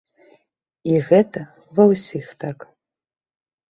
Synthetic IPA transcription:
iɣɛt̪ʰɐ | vɐwsʲixt̪ʰakʼ

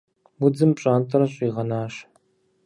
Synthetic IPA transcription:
wʊd͡zɨmpɕʼaːntʰʼɐɾɐɕʼiːʁɐnaːɕ

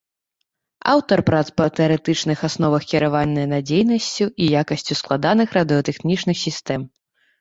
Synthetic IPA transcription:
a̰wt̪ɐrpɾat̪spɐt̪ɛɐɾɛt̪ɨt͡ʂnɨxasnɔvɐxkʲiɾavanʲːɐjnad͡zʲejnɐsʲt͡sʲuʔijakɐsʲt͡sʲusklˠad̪anɨxrɐd̪ɨɐt̪ɛxnʲit͡ʂnɨxsʲist̪ɛm

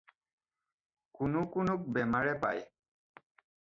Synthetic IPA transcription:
kʊnʊkʊnʊk̚bɛmaɹɛpa̰j

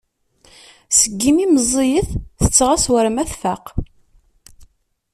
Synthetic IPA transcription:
səɡːimiməzˤːijəθθət͡sːʁaswəɾmæθfaq

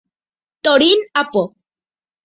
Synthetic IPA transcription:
t̪oɽinapo

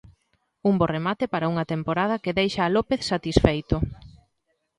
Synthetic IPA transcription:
umboremat̪ɪpaɾɐuŋɐt̪empoɾað̞ɐkeðejʃaːlopeθsat̪isfejt̪ʊ

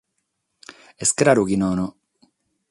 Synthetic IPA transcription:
eskɾaɾukinoɔno

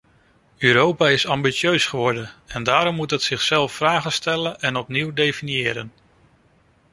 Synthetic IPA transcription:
øːɾowpaːɪsɑmbit͡ʃøɥsχəʋɔɹdənɛndaːɾɔmːutɦətsɪχsɛlˠfːraːχəstɛlənɛnɔpniwdejfinijɪːɾən

